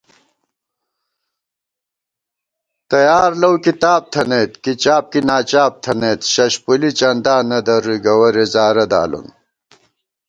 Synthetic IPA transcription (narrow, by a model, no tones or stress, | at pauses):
t̪ɐjaːɾlɐwkit̪aːb̚t̪ʰɐneːt̪kit͡ɕaːp̚kinaːt͡ɕaːp̚t̪ʰɐnet̪ɕɐɕpulit͡ɕɐnd̪aːnɐd̪ɐɾuɡɐwɐɾezaːɾɐd̪a̰ːlṵn